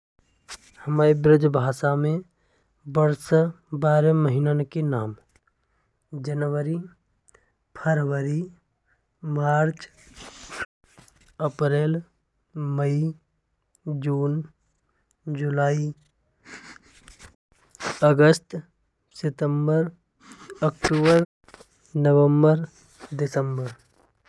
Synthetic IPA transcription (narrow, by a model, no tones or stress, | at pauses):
həmaːɾebɾɪd͡ʒbʱaːsamẽ | bəɾs | baːɾməɦinankenaːm | d͡ʒənʋəɾi | pʰəɾwəɾi | maːɾt͡ʃ | əpɾeːl | məi | d͡ʒuːn | d͡ʒʊlaːi | əɡəst̪ | sɪt̪əmbəɾ | əkʈuːbəɾ | nəʋə̃mbəɾ | dɪsəmbəɾ